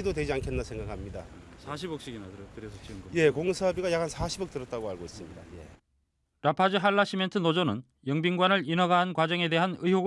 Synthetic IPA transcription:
idodwe̞d͡ʑiankʰe̞nːasʰe̞ŋɡakamɲidasaɕ̬ʰibʌk̚ɕ͈iɡinatɯɾtɯɾesʰʌt͡ɕiɡje̞koŋsʰabiɡajak͈ʰansʰaɕʰibʌk̚tɯɾʌt̚t͈aɡoaɭɡois͈ɯmɲida̰je̞̰ | ɾapʰad͡ʑɯɦaɭːaɕʰime̞ntʰɯnod͡ʑonɯn | jʌŋbiŋɡwanɯɾinʌɡaɦankwad͡ʑʌŋe̞de̞ɦanɯiɦoɡ

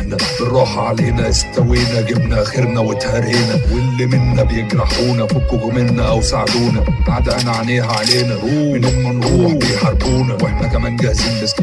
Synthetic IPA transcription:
ħnæfɪrˤːɑːħɑʕaleːnæst̪æwiːnæɡɪbnæʔxɪɾnæwɪt̪hæɾiːnæwelːimɪnːæbejeɡɾɑħuːnæfʊkːʊɡmɪnːæʔæwsaʕd̪uːnæbaʕd̪ʔænæʕaleːɦæʕaleːnæɾuwmɪmːænɾuːwjħɑɾbuːnæweħnækæmæːnɡæhzɪmbæs

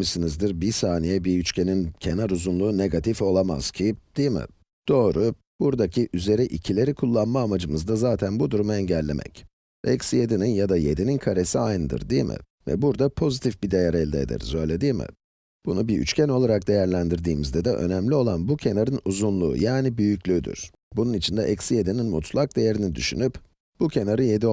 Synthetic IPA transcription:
misinizd̪iɾbisaːnijɛbiyt͡ʃcʰe̞nincʰenaɾuzunlˠuːne̞ɡat̪ʰifo̞lˠama̰z̥cʰid̪ijmɪ̰ | d̪̥o̞ːɾu | b̥uɾd̪acʰiʔyze̞ɾiʔicʰilʲe̞ɾikʰulˠːanmaːmad͡ʒɯmɯzd̪azaːt̪ʰænbud̪uɾumaɛɲɟælʲːe̞̰mʔɛ̰c | vɛ̰csije̞d̪ininjad̪aje̞d̪ininkʰaɾe̞siajnɯd̪ɯ̰ɾd̪ijmʔɪ̰ | vɛ̰buɾd̪apʰo̞zit̪ʰifbid̪ejaɾɛlʲd̪ɛed̪ɛ̰ɾzø̞jlʲe̞d̪iːmɪ̰ | b̥unubiy̰t͡ʃcʰæno̞lˠaɾak̚d̪e̞jæɾlʲænd̪iɾd̪iːmizd̪ɛd̪ɛʔø̞̰næmlʲio̞lˠanbucʰe̞naɾɯnuzunlˠṵːjaːnibyjycʲlʲyd̪y̰ɾ̥ | bununit͡ʃʰind̪ɛʔɛcsijed̪ininmṵt̪ʰlˠak̚d̪e̞jeɾinid̪yʃy̰nyp | b̥ucʰe̞naɾɯje̞d̪i

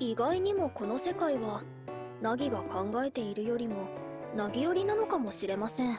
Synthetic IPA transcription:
iɡaiɲ̟imo̞ko̞no̞se̞kaiβa | naɡʲiɡakãŋɡae̞t̪e̞iɾɯ̟jo̞ɾʲimo̞naɡʲijo̞ɾʲinano̞kamo̞ɕiɾe̞masẽ̞ɴ

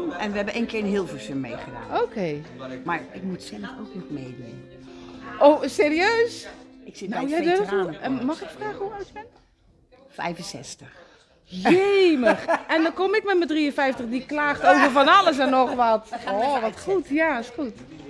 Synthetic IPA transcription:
ɛnʋəɛbəʔeːnkɪːɹənɦiəlˠfəsømmḛjχəda̰ːnowkʰejmaɹɪk̚mutsɛlˠəfoknɔtmejdun | ʔowseːriøːsɪksijɛdøumɑxɪkfraːxəhuaɥtbɛn | fɛ̰jvənsɛ̰stəx | jeməxɛndɔkomɪkmɛtmədriənfɛjftəχdiklaːxtowvərfɔnɑləs̬ɛnːɔxʋɔtɔʋɔtxutjasxut

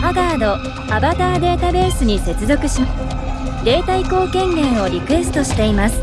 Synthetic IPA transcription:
paɡaːd̪o̞ | abat̪aːd̪e̞ːt̪abe̞ːsɨɲ̟ise̞t͡sɨzo̞kɯ̟ɕi | d̪e̞ːt̪aiko̞ːkẽ̞ŋɡẽ̞ɰ̃o̞ɾʲikɯ̟e̞sɨ̥t̪o̞ɕi̥t̪e̞imasɨ̥

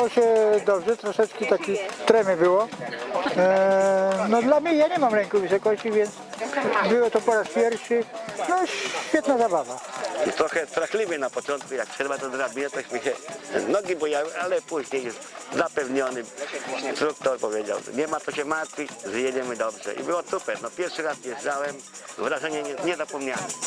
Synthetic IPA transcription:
ɔɕɛd̪ɔbʐɛt̪ɾɔʂɛt͡ʂkʲit̪akʲit̪ɾɛmʲjɛbɘwɔ | nɔd̪lamɲɛjaɲɛmamɾɛŋkuvɘsɔkɔɕt͡ɕivʲjɛnt̪sbɘwɔt̪ɔpɔɾaspʲjɛɾfʂɘnɔɕfʲɛt̪̚nazabavat̪ɾɔxɛst̪ɾaxlʲivʲjɛnapɔt͡ʂɔ̃nt̪̚kujak̚tʂɛbat̪ɔzɾabʲinɛt̪ɔɕmɪɕɛnɔɡʲibɔjawalɛpuʑɲejɛst̪zapɛvɲɔnɪst̪ɾuk̚t̪ɔɾpɔvʲjed͡ʑa̰w̰ɲɛmat̪ɔɕɛmaɾt̪fʲizjɛd͡ʑɛmɘd̪ɔbʐɛ̰ʔḭbɘwɔt̪upɛnɔpʲjɛɾfʂɨɾasʲjɛzawɛm | vɾaʐɛɲɛɲɛɲɛzapɔmɲawɛm

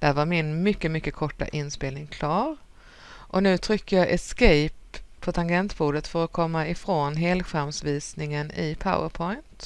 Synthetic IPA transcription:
d̪̥æɾvaɾmɪnmʏkːəmʏkːəkʰɔʈːa̰ʔɪnspeːlnɪŋkʰlɑːɾ | ʔɔnʉ̟ːt̪ʰɾʏkːəjɑʔɛskɛjpʰːɔt̪ʰanɡɛnt̪buːd̪ət̪fœɾɔkʰɔmːaɪfɾoːnɦeːlɧamsviːsnɪŋənɪ̰pʰa̰ʊə̰ɾpʰɔʏjnt̪

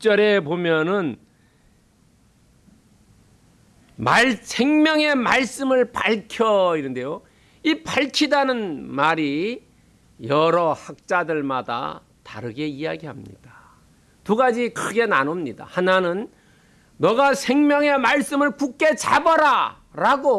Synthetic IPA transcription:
t͡ɕ͈ʌɾe̞bomjʌnɯn | maɭsʰeŋmjʌŋe̞maɭs͈ɯmɯɭpaɭkʰjʌinɯnde̞jo | ipaɭkʰidanɯnmaɾi | jʌɾʌhak̚t͡ɕ͈adɯɭmada̰ | ta̰ɾɯɡe̞ijaɡihamɲḭd̥a | tuɡad͡ʑikɯɡe̞nanomɲida̰hananɯnː | ʌɡasʰeŋmjʌŋe̞maɭs͈ɯmɯɭkuk̚k͈e̞t͡ɕa̰bʌɾa | ɾaɡo

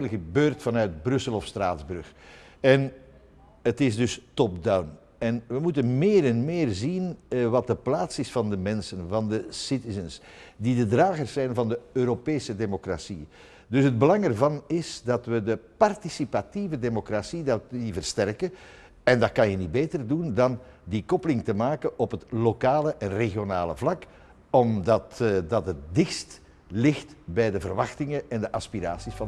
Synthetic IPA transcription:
lɣəbøːrtfɑnœɥt̚brʏsəlɔfstraːdzbɾx | ɛn | ətɪzdɵstɔp̚dawn | ɛnʋəmutənmeːɾɛnmɪːrzinʋɑt̚dəplaːtsɪsfɑndəmɛnsənvɑndəsɪtɪzəns | didədraːɣərsːɛjnvɑndəøːɾopeːsədemokra̰sḭ | dɵsɦəd̚bəlɑŋɛrvɑnɪsdɑtʋədəpɑrtisipativədemokrasidɑivərstɛrkə | ɛndɑt̚kɑnjənibeːtərdundɑn | dikɔpəlɪŋtəmaːkənʔɔpɦətlokaːləʔɛnreɣjonaːlə̰vlɑk | ɔmdɑtdɑtət̚dɪxst | lɪxtbɛjdəvərʋɑxtɪŋəʔɛndəʔɑspiɾa̰ːsisfɑ

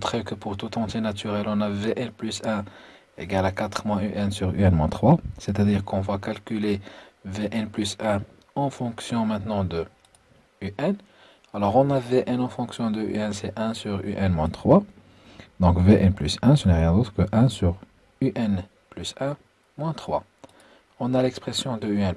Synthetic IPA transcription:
ɔ̃t̪χɛkəpuʁt̪ut̪ɑ̃t̪enat̪ʰyʁɛlɔ̃naveʔɛnplysɛ̃ | ḛɡalakat̪χmwɛ̃yʔɛnsyʁy̰ɛnmwɛ̃t̪χwasɛt̪ad̪iʁkɔ̃vwakalkyleveʔɛnplysɛ̃ | ɑ̃fɔ̃ksjɔ̃mɛ̃t̪nɑ̃d̪ə | yʔɛn | alɔʁɔ̃naveʔɛnɑ̃fɔ̃ksjɔ̃d̪əy̰ɛnsɛʔɛ̃syʁy̰ʔɛnmwɛ̃t̪χwa | d̪ɔ̃kveʔɛnplysɛ̃sənɛʁjɛ̃d̪ot̪χkəʔɛ̃syʁ | yʔɛn | plysɛ̃ | mwɛ̃t̪χwa | ɔ̃nalɛkspχesjɔ̃d̪əyɛn

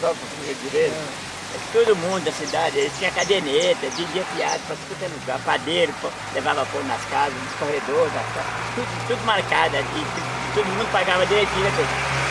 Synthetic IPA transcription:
sɔkõsuzɐd͡ʒiɾe | ɛkɪ̥t̪od̪ʊmũnd̪ʊnɐsid̪ad͡ʒɪelɪt͡ʃĩɲɐkad̪enet̪ɐd͡ʒid͡ʒiɐpia̰d̪ʊpɐskõkɛluɡaɾpad̪eɾʊpɐ | levavɐfoɡʊnɐskazɐzuskohed̪oɾzat̪at̪ud̪t̪ud̪ʊmaɾkad̪ʊalip̪ | t̪od̪ʊmũd̪ʊpaɡavɐd̪iɾet͡ʃ̪ivɐt̪e

